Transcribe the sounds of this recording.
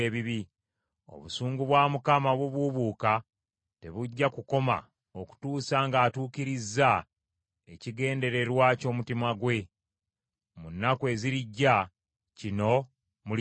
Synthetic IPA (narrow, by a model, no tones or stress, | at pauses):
eβiβi | o̞̰βusuːŋɡuβwaːmukamaβwuβuβuːka | te̞βuɟːakuko̞ma̰ | oku̥tuːsaŋɡaːtuːkiɾizːa | e̞ciɡe̞ːnde̞ɾe̞ɾwaːco̞ːmutimaɡwe̞ | munːakwe̞ːziɾiɟːa | cino̞ | mu